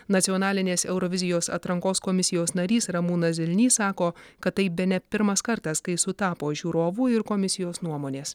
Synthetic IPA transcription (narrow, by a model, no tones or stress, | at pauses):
nɐt̪sʲiɔːnɑːlʲɪnʲeːsɛʊɾɔʋʲɪzʲɪjoːsɐ̰t̪ɾɐŋkoːskɔmʲɪsʲɪjoːsnɐɾʲiːsɾɐmuːnɐzʲɪlʲnʲiːsɑːkoːkɐt̪̚t̪ːɐɪbʲɛnʲɛpʲɪɾmɐskɐɾt̪ɐskɐɪsʊt̪ɑːpoːʒʲuːɾoːʋuːɪɾkomʲɪsʲɪjoːsnuɔmoːnʲeːs